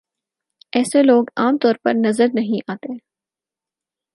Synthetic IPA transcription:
ɛːseloːɡaːmt̪ɔːɾpɐɾnɐzəɾnɐɦĩʔaːt̪eɦɛ̃

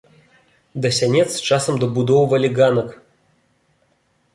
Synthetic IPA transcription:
d̪ɐsʲanʲɛt̪st͡ʃasəmd̪obud̪owvəlʲiɡanək

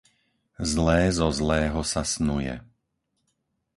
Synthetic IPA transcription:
zlɛːzɔzlɛːɦɔsasnujɛ̰

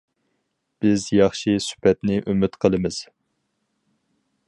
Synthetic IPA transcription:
b̥ɪzjɑχʃisy̥pɛt̪nɪʔymɪt̪qʰəlˠɨmɨz̥

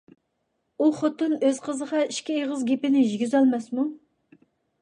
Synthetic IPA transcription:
uχot̪ːɨnøz̥qʰəzəʁɑiʃkʲieʁəzɡʲepɪnɪʒiɡʲyzɑlˠmɛsmu

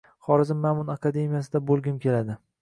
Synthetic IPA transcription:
χɒɾɪzɪmːamʊnakʰad̪e̞mijasɪd̪abolˠɡʲɪmkʲe̞lad̪ɪ

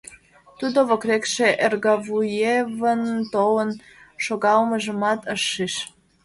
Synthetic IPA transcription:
t̪ud̪oβokrekʃeʔerɣɑvujevənt̪owən | ʃoɣɑlməʒəmɑt̪əʃːiʃ

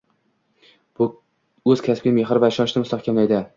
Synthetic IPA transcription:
b̥ʊ | ɵzkʲʰasbʲɪmeɦɾɪvaɪʃɒnʃɪmʊst̪ahkʲamlajd̪ɪ

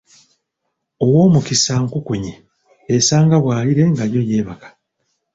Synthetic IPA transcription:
o̞wo̞ːmukisaŋkukuɲe | esaːŋɡaβwaːliɾe̞ŋɡaɾjo̞je̞ːβakḁ

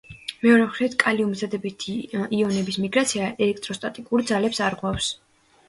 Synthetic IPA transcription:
mɛɔɾɛmχɾit̪kʼaliumzad̪ɛbit̪ʰiiɔnɛbismiɡɾat̪sʰiaʔɛlɛk̚ʰt̪ʼɾɔst̪ʼat̪ʼikʼuɾd̪zalɛpsaɾʁwafs

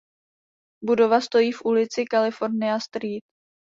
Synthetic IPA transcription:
budo̞vast̪o̞jiːfʔulɪt͡sɪkalɪfo̞ɾnɪast̪ɾiːt̪̚

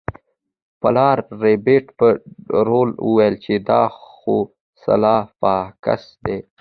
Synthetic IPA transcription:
palɑːɾːebeʈpəɾolṵwajlt͡ʃed̪ɑːxo | sa̰lɑːfɑːka̰sd̪e

